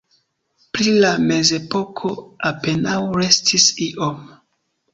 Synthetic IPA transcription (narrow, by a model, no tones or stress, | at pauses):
pɾilame̞ze̞po̞kʰo̞ape̞nawɾe̞stʰisiʔom